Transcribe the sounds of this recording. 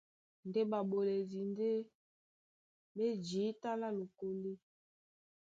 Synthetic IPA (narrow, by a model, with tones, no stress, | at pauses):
nde˦ba˨bo˨le˨zi˨nde˦ | be˦d͡ʒi˨˦ta˦la˦lo˨ko˦li˦